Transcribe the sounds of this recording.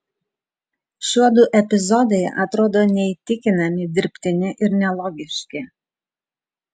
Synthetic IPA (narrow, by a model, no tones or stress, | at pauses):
ʃʲuɔd̪uʔɛpʲɪzɔd̪ɛjʔɐt̪ɾoːd̪oːnʲɛit̪ʲɪkʲɪnɐmʲɪd̪ʲɪɾʲpʲt̪ʲɪnʲɪʔɪɾnʲɛlˠɔːɡʲɪʃʲkʲɪ